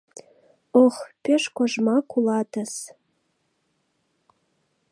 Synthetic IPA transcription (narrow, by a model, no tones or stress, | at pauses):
oxpeʃkoʒmɑkulɑt̪ə̆s